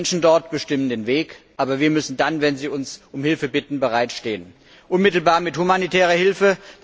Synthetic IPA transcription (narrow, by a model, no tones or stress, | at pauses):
nʃn̩dɔɐtb̥əʃtɪməndeːnveːkʔaːbɐviːɐmʏsn̩danvɛnziːʊnsʔʊmhɪlfəbɪtn̩bəʁaɪtʃteːən | ʔʊnmɪtl̩baːɐmɪthumanitʰɛːʁ̞ɐhɪlfə